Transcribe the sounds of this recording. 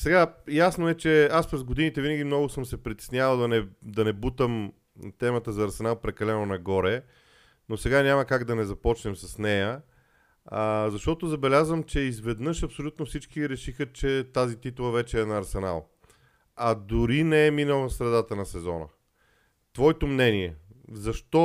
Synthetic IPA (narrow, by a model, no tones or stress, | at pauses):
sɛɡajasnoɛt͡ʃɛaspɾɛzɡod̪init̪ɛvinəɡʲimnɔɡʊsɤmsɛpɾit̪ɛ̥snʲjavəlˠd̪ɐnɛd̪ɐnɛbut̪əm | t̪ɛmət̪əzɐːɾsɛnalˠpɾɛkɐlɛnonɐɡɔɾɛ | nosɛɡanʲaməkaɡd̪ɐnɛzɐpɔt͡ʃnɛmsɐsnɛjə | əzɐʃt̪ɔt̪ozɐbɛlʲazvəmt͡ʃɛizvɛd̪nɤʃɐpsolʲut̪nofsit͡ʃkiɾɛʃixət͡ʃɛt̪azit̪it̪ulˠɐvɛt͡ʃɛɛːnɐːɾsɛna̰lˠ | ɐd̪ʊɾinɛɛminəlˠəsɾɛd̪at̪ənɐsɛzɔnə̰ | t̪vɔit̪omnɛniɛzɐʃt̪ɔ